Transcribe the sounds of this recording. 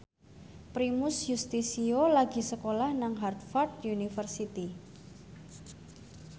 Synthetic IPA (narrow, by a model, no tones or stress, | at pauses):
pɾimʊsjust̪isiolaɡi̤səkolahnaŋɦart̪fɔrt̪junifərsit̪i